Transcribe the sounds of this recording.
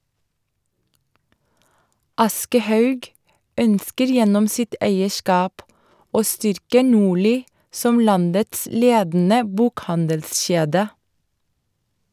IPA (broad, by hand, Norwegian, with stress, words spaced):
ˈɑskəˌhɑʉɡ ˈœnskəɾ ˈjɛnɔm ˈsɪt ˈæɪəˌʃkɑːp ˈoː ˈstʏɾkə ˈnuːɭiː ˈsɔm ˈlɑndəts ˈleːdn̩ə ˈbuːkˌhɑndəlˌʃeːdə